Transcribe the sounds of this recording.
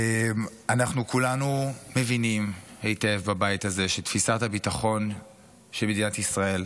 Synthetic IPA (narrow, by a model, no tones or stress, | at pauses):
em | anaχnukulanume̞vinimhejte̞vbabajithaze̞ʃetfisathabitaχo̞n | ʃelmed̪inatisʁae̞l